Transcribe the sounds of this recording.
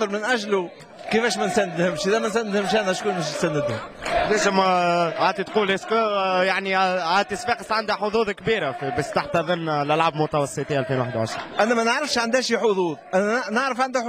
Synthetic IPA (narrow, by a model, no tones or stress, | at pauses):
əlmɪnʔæʒlu | kifɛːʃmænsænːɪd̪hɪmʃʔiðɛmænsænːɪd̪hɪmʃænæʃkuːnbæʃ̬nsænːɪd̪hʊmlæzəmʕaːt̪ˤit̪quːlʔæskjaʕniæt̪ːɪsfiqəsʕand̪æħʊd̪ˤuːðˤkbiːɾafibæʃt̪aħt̪æðənlʔælʕabmʊt̪ɑwɑsˤːət̪ˤiːʔælfiːnwaħəd̪wʕaʃɾiʔænːɛmænəʕɾɑfʃʕand̪hɛʃiħʊðˤuːðˤʔænnaʕɾəfʕand̪hæħ